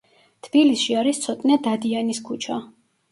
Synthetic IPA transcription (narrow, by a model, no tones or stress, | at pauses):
t̪ʰb̥ilisʃiaɾist̪sʰɔt̪ʼnɛd̪ad̪ianiskʰut͡ʃʰa